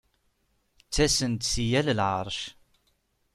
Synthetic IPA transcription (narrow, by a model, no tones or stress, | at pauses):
t͡sːæsənt̪sijællʕəɾˤʃ